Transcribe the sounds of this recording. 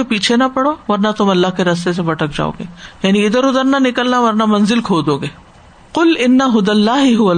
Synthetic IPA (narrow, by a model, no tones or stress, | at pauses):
epiːt͡ʃʰenapɐɽoʋɐɾnat̪ʊmɐlːaɦkeɾɐs̬t̪es̬ebɐʈək̚d͡ʒa̰ːo̰ːɡḛːjaːniɪd̪əɾʊd̪əɾnanɪkəlnaʋɐɾnamɐ̃nzɪlkʰoːd̪oːɡeː | qʊlɪnːɐɦʊd̪ɐlːaːɦɦʊɐ